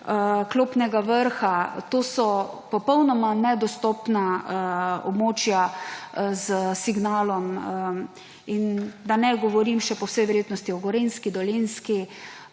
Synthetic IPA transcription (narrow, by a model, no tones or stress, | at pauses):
kloːpnɛɡaʋəɾxat̪oːsɔ | pɔpɔwnɔmanɛd̪ɔst̪ɔpna | ɔ̰bmoːt͡ʃja | zəsiɡnaːlɔm | ind̪anɛɡɔʋɔɾimʃɛpɔwsɛjʋɛɾjeːt̪nɔst̪iɔɡɔɾenskid̪ɔlenski